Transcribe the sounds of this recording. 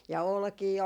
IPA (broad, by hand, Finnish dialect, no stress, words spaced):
jɑ olkiː